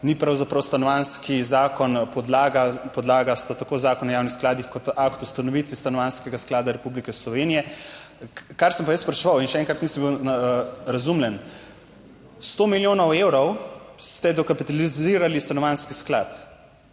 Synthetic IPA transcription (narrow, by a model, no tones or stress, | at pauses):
nipɾawzapɾɐwst̪anɔʋanskizaːkɔnpɔd̪laːɡapɔd̪laːɡast̪at̪akozaːkɔnɔjaːwnixsklaːd̪ixkɔt̪akt̪ust̪anɔʋit̪ʋist̪anɔʋanskɛɡasklaːd̪aɾɛpublikɛslɔʋeːnijɛ | kaɾsəmpajəspɾɛʃʋawinʃɛɛŋkɾat̪nisəmbiw | ɾazumljɛn | st̪oːmiljoːnɔwewɾɔwst̪ɛd̪ɔkapit̪aliziɾalist̪anɔʋanskisklat̪